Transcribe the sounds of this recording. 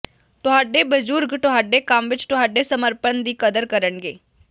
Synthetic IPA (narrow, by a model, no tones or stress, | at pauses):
t̪ʊɦaːɖeːbəzuːɾɡt̪ʊɦaːɖeːkəmʋɪt͡ʃt̪ʊɦaːɖeːsəməɾpənd̪iːkəd̪əɾkəɾəɳɡḛː